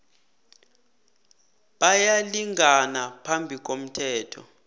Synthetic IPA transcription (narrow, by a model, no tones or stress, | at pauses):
ɓajaliŋɡʱanapʰambʱik̬om̩tʰɛːtʰɔ̰